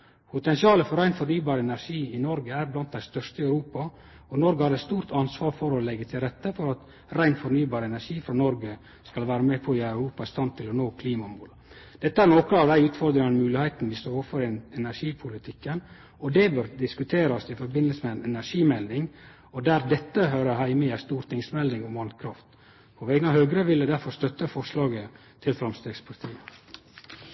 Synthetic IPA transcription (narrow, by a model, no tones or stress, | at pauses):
pʰʊt̪ɛnsɪɑːləfɔɾæɪnfɔɾnyːbɑːɾəɛnæɾʂiːɪnɔɾɡəæɾblɑnt̪̚d̪æɪst̪œʂt̪əɪœʉɾuːpɑ | ɔnɔɾɡəhɑɾɛt̪st̪uːɾt̪ʰɑnsʋɑːɾfɔɾɔlɛɡːət̪ʰɪlɾɛt̪ːəfɔɾɑt̪ | ɾæɪnfɔɾnyːbɑːɾəɛnæʂiːfɾɔnɔɾɡə | skɑlʋæːɾəmɛːpʰɔɪɑʉɾuːpɑɪst̪ɑnt̪ʰːɪlɔnoːkʰliːmɑmul | d̪̥ɛt̪ːəæɾnoːkɾəɑʋd̪æɪʉːt̪fɔɾd̪ɾɪŋɑnəmʉːlɪhɛɪt̪nʋɪst̪oːɾoːfɔɾɛnæʂiːpʰʊlɪt̪ʰɪkːən | ɔd̪ɛbœɾd̪ɪskʉt̪ʰeːɾɑsɪfɔɾbɪnəlsəmɛɛnɛnæʂiːmɛld̪ɪŋ | ɔd̪æːɾd̪ɛt̪ːəɦøːɾəhæɪmɪæst̪uːɾt̪ʰɪŋsmɛld̪ɪŋɔmɑŋkʰɾɑft̪ | pʰɔʋɛɡənɑhøːɡɾəʋɪld̪əd̪æɾfɔɾst̪œt̪ːəfɔʂlɑːɡə | t̪ʰɪlfɾɑmst̪eːɡspʰɑɾt̪ʰiːə